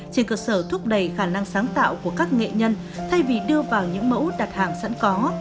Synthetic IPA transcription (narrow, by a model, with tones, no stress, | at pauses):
t͡ɕe˧˩nkəː˧səː˧˩t̪ʰu˦˥p̚ɗə˧˩jxaː˧˩na˧ŋsaː˨˦ŋt̪a̰ː˧˨wku˧˩əkaː˦˥k̚ŋḛ˧˨ɲə˧n | t̪ʰa˧jvi˨˩ɗɨ˧əvaː˨˩wɲɨ̰˧˥ŋmə̰˧˥wɗa˨˩t̚haː˨˩ŋsə̰˧˥nkɔ˨˦